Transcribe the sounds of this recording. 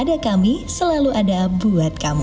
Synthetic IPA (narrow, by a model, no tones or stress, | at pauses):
dakamisəlaluʔadabuat̪̚kamu